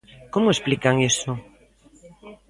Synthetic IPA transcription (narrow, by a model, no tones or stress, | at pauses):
komʊesplikaŋeso